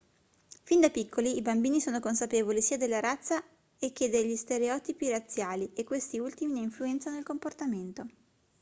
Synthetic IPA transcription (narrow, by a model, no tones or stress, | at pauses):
find̪apikːoliːbambiːnisoːnokonsapeːvolisiːad̪elːaɾat̪sːa | ek̟ːed̪eʎːist̪eɾeɔːt̪ipirat̪sːjaːliekːwest̪iult̪imineiɱfluɛnt̪sanoilkomport̪ament̪o